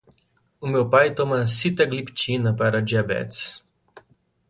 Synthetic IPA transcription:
umɛwpajt̪omasit̪aɡlipt͡ʃinapaɾad͡ʒabɛ̰t̪t͡s

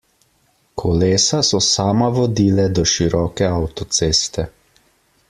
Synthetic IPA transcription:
kʰɔleːsasɔsaːmaʋɔd̪iːlɛd̪ɔʃiɾɔːkɛawt̪ɔt̪seːst̪ɛ

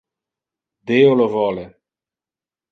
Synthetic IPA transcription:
d̪eːolovɔːle

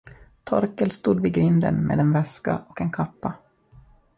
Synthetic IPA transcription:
t̪ʰɔɾkəlst̪uːd̪vɪɡɾɪnd̪ə̰nmḛːd̪ɛnvɛska̰ʔɔkɛnkʰapːa

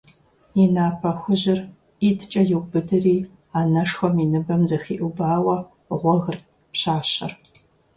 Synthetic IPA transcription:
inaːpʰɐxʷʊʑɪr | iːtʰt͡ʃʼɐjɪwbɨdɨriː | aːnɐʂxʷɔminɨbɐmzɐxiːʔubaːwɐ | ʁʷɔɣɨrt̚ | pɕaːɕɐ̰r

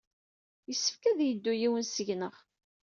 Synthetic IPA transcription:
jəsːə̥fkæðjəd̪ːujiwənsəʝnəʁ

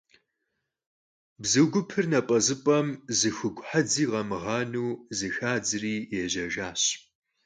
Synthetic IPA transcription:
bzɨɡʷʊpʰɨrnɐpʼɐzɨpʼɐmzɨxʷʊɡʷʼħad͡ziːʁɐmɨʁɑːnuːzɨxaːd͡zɨriːjɛʑɐʒaːɕ

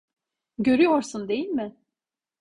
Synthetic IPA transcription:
ɟø̞ɾyjoɾsund̪e̞jilʲmɪ

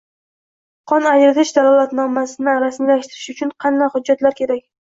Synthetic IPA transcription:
qʰɒnad͡ʒɾɪt̪ɪʃd̪alˠɒlˠat̪nɒmasɪnɪaɾasmilaʃt̪ɪɾɪʃʊt͡ʃʰʊnqʰɑnːahʊd͡ʒːat̪laɾkʲʰe̞ɾakʲ

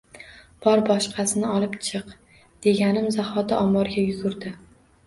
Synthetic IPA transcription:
b̥ɒɾbɒʃqʰɑsɪnɪɒlˠɪpt͡ʃʰɨq | d̪̥e̞ɡʲanɪmzahɒd̪aɒmɒɾɡʲajʊɡʊɾd̪ɪ

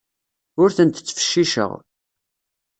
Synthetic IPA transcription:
ʊɾθənt̪t͡sːə̥fə̥ʃːiʃə̰ʁ

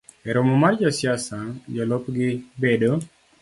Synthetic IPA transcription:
ɛɾomɔmard͡ʒɔsjasad͡ʒɔlopɡɪbedo

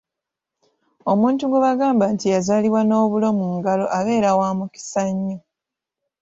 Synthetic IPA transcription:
o̞muːntuɡweβaɡaːmbaːntijazaːliβwano̞ːβulo̞muːŋɡalo̞ʔaβe̞ːɾawaːmuki̥saɲːo

